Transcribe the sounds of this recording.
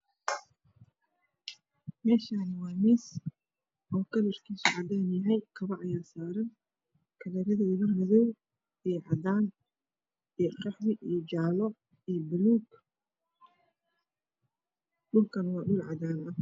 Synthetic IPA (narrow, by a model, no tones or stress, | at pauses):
mɛːʃaːnɪwɑːmɪs | ʔɔːkʰɐlɪrkʰiːsʊʕɑd̪aːnjɐɦɛjkʰɐβɐʕʔɐjaːsaːɾɐn | kʰɐlɛɾɐðɐɪɣɐmɐðɔw | ɛːʕɑd̪aːn | ijqɑħðɪijd͡ʒaːlɔ | ijɔbʊluːɡ | ɗʊlkʰɐnwɑːɖʊlʕɑ̰d̪aːnɐh